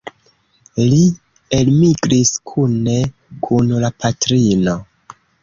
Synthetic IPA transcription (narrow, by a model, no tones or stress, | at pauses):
li | elmiɡɾiskʰune̞ | kʰunlapʰatɾino̞